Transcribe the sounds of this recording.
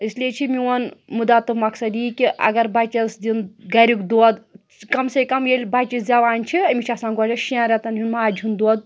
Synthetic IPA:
isliet͡ʃʰimiwɐnmud̪aːt̪ɨmɐksɐd̪jikiʔɐ̰ɡɐɾbɐt͡ʃɐsd̪inɡɐɾʲukd̪oːd̪ | kɐmsekɐmjelʲbɐt͡ʃisd͡zʲaʋaːnʲt͡ʃʰiɐmʲit͡ʃʰɐsãːnkoːd͡ʒɐʃiãːɾʲɐt̪ɐnɦunmaːd͡ʒʱund̪oːd̪̚

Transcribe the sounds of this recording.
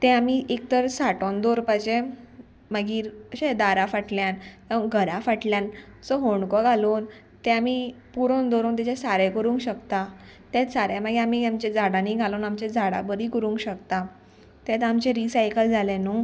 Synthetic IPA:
t̪ɛ̃amiʔek̚t̪əɾsaʈond̪oɾpat͡ɕẽ | məɡiːɾəɕẽd̪aɾafaʈljãnãɡʱəɾafaʈljãnsɔɦoɳkɔɡʱalon | t̪ɛ̃amipuɾõnd̪oɾoːnt̪̬ɛt͡ɕɛsaɾɛ̃kəɾũːŋkɕəkt̪a | t̪at̪saɾjamaɡeamiamt͡ɕed͡zaɽãniːɡʱaloːnamt͡ɕẽd͡zʱaɽa̰bəɾiːkəɾũːŋkɕəkt̪a | t̪jat̪amt͡ɕẽɾisajkəld͡zʱalẽno

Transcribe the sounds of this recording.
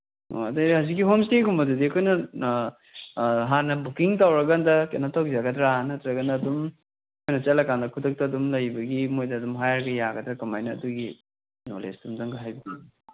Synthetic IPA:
o̰a̰dajɾhazik̬ːiɦomstekʰumɐdudiɐkʰojnɐ | ɦanːɐbukiŋtawɾɐɡandɐkḛnɐtʰak̚zaɡɐdɾanɐtɾɐɡɐnɐːdum | kʰojnɐt͡ʃɐlɐkandɐkʰutʰɐk̚tɐːdumlɐjbɐɡimojdɐːdumɦajɾɡɐjaɡɐdɾɐkɐmajnɐ̰ːduɡi | no̰lḛsdumdɐŋɡɐɦajbidi

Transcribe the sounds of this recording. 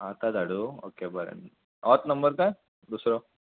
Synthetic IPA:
at̪ad̪aɽuo̰kebəɾḛn | ɔt̪nəmbəɾkaj | d̪usɾo

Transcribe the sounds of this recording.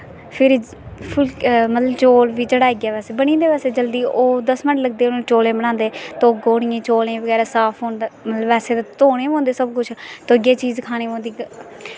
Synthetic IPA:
pʰɪɾ | pʰʊlmət̪ləbt͡ʃoːlʋiːd͡ʒeɽaːeːɡɛːʋɛːseːbəɽ̃ĩːd̪eːʋɛːseːd͡ʒəld̪iːʔoːd̪əsmɪʈləɡ̚d̪eːnõːt͡ʃoːlẽːbəɽ̃ãːnd̪eːt̪ooːɡoːɽ̃ijẽːt͡ʃoːlẽːbəɡɛːɾaːsaːpʰõːnd̪aːmət̪ləbɛːseːt̪et̪oːɽẽːɦõːnd̪eːsəbkʊt͡ʃʰt̪oəɡeːt͡ʃiːzkʰaːñẽːõːnd̪iːɡ

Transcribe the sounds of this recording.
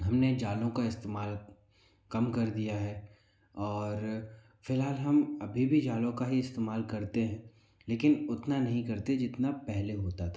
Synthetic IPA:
ɦɐmned͡ʒaːlõkaɪst̪eːmaːl | kɐmkɐɾd̪ijaɦɛː | ɔːɾ | fɪlɦaːlɦɐmɐbʱibʱid͡ʒaːlõkaɦiɪst̪eːmaːlkɐɾt̪eɦɛ̃ː | leːkɪnʊt̪nanɐɦĩkɐɾt̪ed͡ʒɪt̪napɛɦleɦoːt̪at̪ʰa

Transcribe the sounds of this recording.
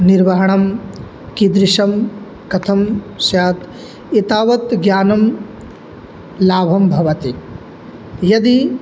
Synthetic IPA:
niɾʋɐɦɐɳ̃ɐm | kid̪ɾɪʃɐm | kɐt̪ʰɐm | sjaːt̪ | it̪aːʋɐt̪ɡjaːnɐm | laːbʱɐmbʱɐʋɐt̪i | jɐd̪i

